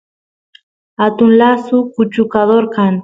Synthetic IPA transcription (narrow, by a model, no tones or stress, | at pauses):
hat̪ʊnlasʊkʊt͡ʃʊkad̪oɾkɑŋ